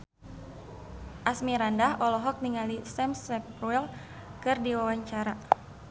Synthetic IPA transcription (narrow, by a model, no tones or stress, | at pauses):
ʔasmiɾandaɦɔlɔɦɔk̚niŋalisɛmsɛpɾuɛl | kɨrdiwawaɲt͡ʃaɾa